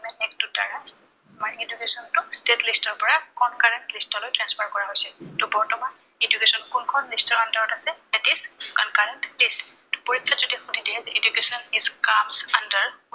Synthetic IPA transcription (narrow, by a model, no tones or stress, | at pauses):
mɛnɛktuda̰ɹaz | amaɹedukesɔntʊstetlistɔɹpɔɹakɔnkaɹɛntlistɔlojtɹɛnspʰaɹkɔɹaɦojsɛtʊbɔɹtɔman | edukesɔnkunkʰɔnlistɔɹandɔɹɔtasɛlɛtizkɔnkaɹɛntlist | tu̥poɹikʰːazodiaxʊdidiazedukesɔnizkamsandəɹ